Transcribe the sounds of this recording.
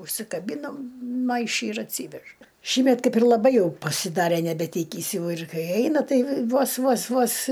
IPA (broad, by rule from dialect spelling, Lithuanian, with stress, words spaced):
ʊʃʲsʲɪkɐˈbʲiːnɐm ˈmɐɪʃʲɪ ɪr ɐtʲˈsʲiːʋʲɛʃ ˈʃʲiːmʲɛt ˈkɐɪp ɪr lˠɐˈbɐɪ ˈjɛʊ pɐsʲɪˈdɑːrʲɛ nʲɛbʲɛˈtʲiːkʲiːs ˈjɛʊ ɪr ˈkɐɪ ˈɛɪnɐ ˈtɐɪ ˈʋoːs ˈʋoːs ˈʋoːs